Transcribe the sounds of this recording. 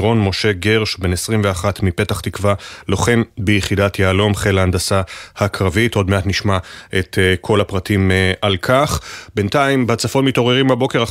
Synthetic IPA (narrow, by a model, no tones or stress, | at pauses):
ʁo̞nmo̞ʃe̞ɡeʁʃbe̞nesʁimveaχatmipe̞taχt̪ikvalo̞χe̞mbejeχidatjaalo̞mχelaandasahakʁavito̞dme̞atniʃmaʔetkʰo̞lapʁatʰimʔalkʰaχbe̞ntaimbat͡safo̞tmito̞ʁeʁimbabo̞ke̞ʁa